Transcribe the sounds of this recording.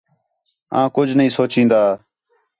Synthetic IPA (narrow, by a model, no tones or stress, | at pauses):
ã̰ːkʊd͡ʒʱnəĩːsoːt͡ʃĩːnd̪aː